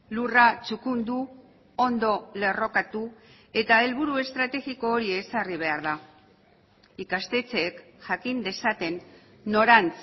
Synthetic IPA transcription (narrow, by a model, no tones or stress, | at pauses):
lurat͡ʃukund̪u | o̞nd̪o̞le̞ro̞kat̪u | e̞t̪ae̞lβuɾue̞st̪ɾat̪e̞ɣiko̞ːɾiesariβ̞e̞aɾða | ikast̪e̞t͡se̞ːk | ʝakind̪e̞sat̪e̞nː | o̞ɾant͡s